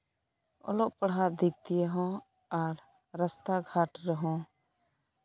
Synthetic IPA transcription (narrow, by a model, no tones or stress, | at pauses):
ɔ̰lɔʔpəɽɦaʔd̪ʱik̚t̪ijəɦɔ̃ | aɾ | ɾəst̪aɡʱaʈɾəɦɔ̃